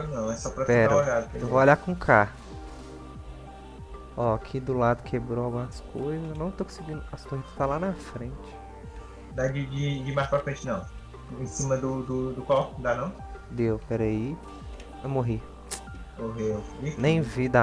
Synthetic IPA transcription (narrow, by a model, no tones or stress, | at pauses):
nɐ̃w̃ɛsɔpɾɐspɛɾaɐoʎad̪ʊkeevooʎakũkʰa | ɔkʰid̪ʊlad̪ʊkʰebɾoawɡũmɐskojzɐzenɐ̃w̃t̪okõseɡĩnʊast̪oɦit̪ɐ̥t̪alanɐfɾẽt͡ʃɪ̥ | d̪ad͡ʒɪd͡ʒɪd͡ʒɪmajʃpɾafɾẽt͡ʃɪnɐ̃w̃ | ẽsĩmɐd̪ʊd̪ʊd̪ʊkɔwd̪anɐ̃w̃d̪ewpɛɾɐi | moɦi | moɦevinẽj̃vid̪a